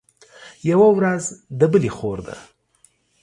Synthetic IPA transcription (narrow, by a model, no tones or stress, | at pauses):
jawawɾazd̪əbəlixoɾd̪a̰